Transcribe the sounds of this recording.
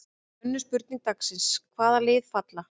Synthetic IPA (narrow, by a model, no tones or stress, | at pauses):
ʏnːʏspʏɾt̪niŋk̚t̪aksɪnskʰvaːðalɪːðfat̪la